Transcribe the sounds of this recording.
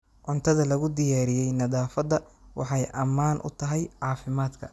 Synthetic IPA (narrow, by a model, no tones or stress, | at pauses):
ʕʊnt̪ʰɐðɐlɐɣʊd̪ɪjaːɾɪjɛjnɐðaːfɐd̪ɐwɑ̰ħɑjʔɐmːaːnʔʊ̰t̪ʰɐɦɛjʕɑːfɪmaːd̪kʰɐ̰